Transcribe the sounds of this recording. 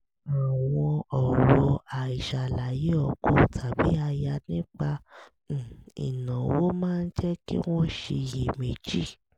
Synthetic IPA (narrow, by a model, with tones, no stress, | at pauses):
a˨w̃ɔ̃˧ɔ˨ɾɔ˧a˨i˨ʃa˨la˨je˨˦ɔ˨ko˨˦tʰa˨bi˨˦a˧ja˧nĩ˦k͡pã˧˦˨ | ḭ˨nã˨wo˦mãː˦˧n̩˦d͡ʒɛ˦kḭ˦w̃ɔ̃˦ʃe˧je˨me˨d͡ʒi˦˨